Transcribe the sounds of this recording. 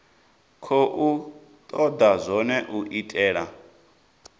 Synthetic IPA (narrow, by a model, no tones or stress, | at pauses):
kʰɔʔu | t̪ʼɔd̪azʷɔnɛʔuʔitʼɛːɺa